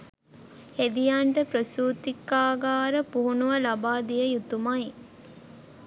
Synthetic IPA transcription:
hed̪ijaɳʈəpɾəsuːt̪ikːaːɡaːɾəpuɦunuʋɐlabaːd̪ijəjut̪umaj

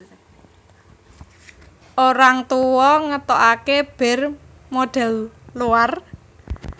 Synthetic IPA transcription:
ʔoɾaŋt̪uwɔŋət̪ɔʔakeb̥ɛ̤r | moɖ̥ɛ̤lluar

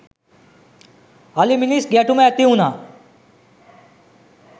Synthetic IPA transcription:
aliminisɡaʈumet̪iɦũna

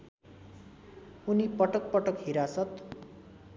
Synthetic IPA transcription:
unipʌʈʌk̚pʌʈʌkɦiɾasʌt̪

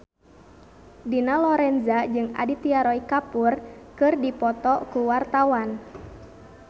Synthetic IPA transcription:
dinalɔɾɛnzad͡ʒɨŋa̰dit̪iaɾɔikapurkɨrdipɔt̪ɔkuwart̪awan

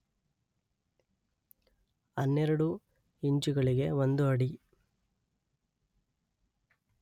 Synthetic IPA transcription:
ɐnːɛɾɐɽu | iɲd͡ʒuɣɐɭiɡe̞ʋond̪uɐɽi

